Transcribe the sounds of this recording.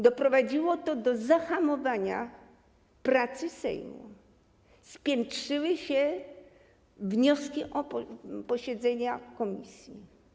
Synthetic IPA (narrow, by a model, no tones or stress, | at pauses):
d̪ɔpɾɔvad͡ʑiwɔt̪ɔd̪ɔzaxamɔvaɲa̰ | pɾat̪sɘsɛ̰jmṵ | spʲjɛntʂɘwɘɕɛ | vɲɔskʲiʔɔɔpɔɕɛd̪zɛɲakɔmʲḭsʲji